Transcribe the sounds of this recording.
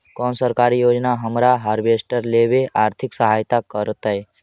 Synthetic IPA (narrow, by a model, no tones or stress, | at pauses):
kɔːnsəɾkaɾijod͡ʒnaɦəmɾaɦaɾbesʈəɾlebeʔaːɾt̪ʰɪksəɦajt̪akəɾət̪əe